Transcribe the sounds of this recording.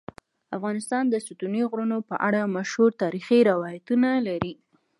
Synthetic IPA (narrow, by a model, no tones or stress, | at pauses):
afɣɑnɪst̪ɑnd̪əsut̪uniɣɽunopəʔaɽamaʃhuɾt̪ɑɾixiɾawɑjat̪unalaɾi